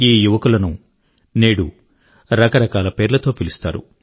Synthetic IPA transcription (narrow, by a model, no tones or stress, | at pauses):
iːjuʋɐkulɐnu | neːɽu | ɾɐkɐɾɐkaːlɐpe̞ːɾlɐt̪o̞ːpilust̪a̰ːɾṵ